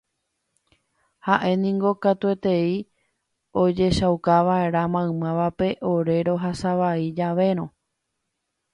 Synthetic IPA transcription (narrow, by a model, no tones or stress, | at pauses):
haʔe̞nĩŋɡo̞kat̪ue̞t̪e̞i | o̞d͡ʒe̞ʃawkaʋae̞ɾamãɨ̃mãʋape̞ʔo̞ɾe̞ɾo̞ɦasaʋaid͡ʒaʋe̞ɾ̃õ̞